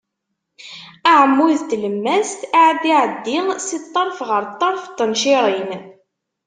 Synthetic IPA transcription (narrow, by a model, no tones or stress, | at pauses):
aʕəmːuðt̪ləmːæst̪aʕd̪iʕəd̪ːisit̪ˤːɑɾˤfʁəɾt̪ˤːɑɾˤft̪ːənʃiɾˤin